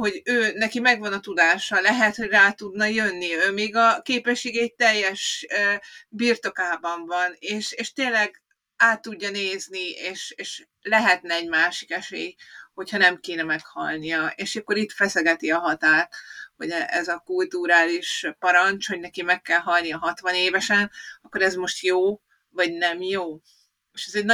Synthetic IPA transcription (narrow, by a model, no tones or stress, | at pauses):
ho̞ɟøːnɛkimɛɡvɒnɒt̪ud̪aːʃɒlɛɦɛt̪ho̞ɟraːt̪ud̪nɒjønːiøːmeːɡɒkeːpɛʃːeːɡɛc̚t̪ɛjːɛʃøbirt̪o̞kaːbɒɱvɒneːʃeːʃt̪eːlɛɡ | aːt̪ːuɟːɒneːznieːʃeːʃ | lɛɦɛt̪nɛɛɟmaːʃi̥kɛʃḛːjho̞chɒnɛmkeːnɛmɛkhɒ̰lnijɒeːʃkːoɾit̪fɛsɛɡɛt̪iɒɦɒt̪aːt̪ho̞̰ɟɛɛzɒkult̪uɾaːliʃpɒɾɒnt͡ʃho̞ɟnɛkimɛkːɛlɦɒlnijɒɦɒt̪ʋɒneːvɛʃɛnɒkːo̞ɾɛzmo̞ʃt̪joː | vɒɟnɛmjoː | eːʃɛzɛɟn